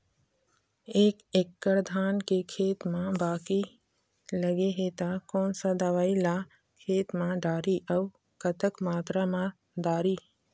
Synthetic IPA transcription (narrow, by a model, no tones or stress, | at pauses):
eːkekːəɾd̪ʱaːnkekʰeːt̪mãbaːki | ləɡeɦeːt̪akɔːnsad̪əʋaːila | kʰeːt̪mãɖaːɾiʔɐʊ | kət̪əkmaːt̪ɾamã | d̪aːɾiː